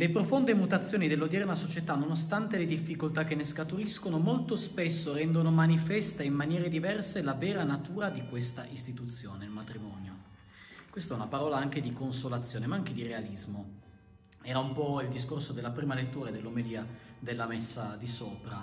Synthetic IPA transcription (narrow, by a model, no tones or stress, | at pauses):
lepɾofond̪emut̪at̪sːjoːnid̪elːod̪jɛɾmasot͡ʃet̪anonos̬t̪ant̪eled̪ifːikolt̪ak̟ːenːeskat̪uɾiskonomolt̪ospesːoɾɛnd̪onomanifɛst̪aimːanjɛːɾed̪ivɛrselavɛːɾanat̪uːɾad̪ikwest̪aʔist̪it̪ut̪sːjoːnelmat̪ɾimɔnjo | kwest̪ɛunapaɾɔːlaaŋk̟ed̪ikonsolat̪sːjoːnemaaŋked̪irealizmo | ɛːɾaumpɔild̪is̬korsod̪elːapɾiːmalet̪ːuːɾad̪elːomed̪iːad̪elːamesːad̪isoːpɾa